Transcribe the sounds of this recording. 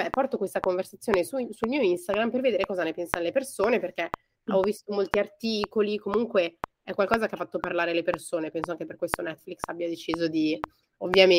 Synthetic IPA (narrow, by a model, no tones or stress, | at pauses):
bɛpɔrt̪okwest̪akoɱversat̪sːjoːnesusulmiːoinst̪aɡɾamperved̪eːɾekɔːzanepɛnsanlepersoːneperke | ɔvist̪omolt̪iart̪iːkolikomuŋkwe | ɛkwalkɔːzakeafːat̪ːoparlaːɾelepersoːnepɛnsoaŋkeperkwest̪onɛt̪ːfliksabjad̪et͡ʃiːzod̪i | ovːjam